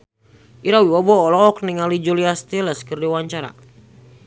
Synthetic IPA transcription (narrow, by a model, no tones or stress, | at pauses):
ʔiɾawiwabɔːlɔːk̚niŋalid͡ʒuliast̪ilɛskərdiwaɲt͡ʃaɾa̰